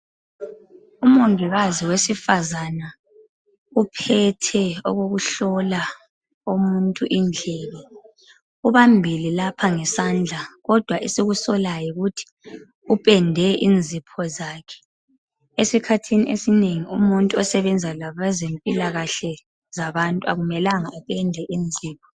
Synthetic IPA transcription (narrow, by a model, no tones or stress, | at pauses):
umuŋʱiɣaziwesifazana | upʰɛtʰɛɔ̰ɣoɣuɬɔla | umuntʼuʔind͡ɮʱɛβɛ | uβambʱililapʰaŋɛsand͡ɮʱaɣɔd̥ʱwaʔesiɣusɔlajɔɣutʰi̥ | upʼɛndʱɛʔind͡zʱipʰɔzaːkʰɛ̥ | esikʰatʰiniʔesineŋiumuntʼuɔsɛβɛnd͡zʱalaβazempʼilaɣaɬɛ | zaβantʼuaɣumɛlaŋaupʼɛndʱɛʔind͡zʱiːpʰɔ̥